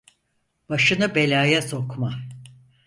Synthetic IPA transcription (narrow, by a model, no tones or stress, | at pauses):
b̥aʃɯnɯbe̞lʲaːjɛso̞kma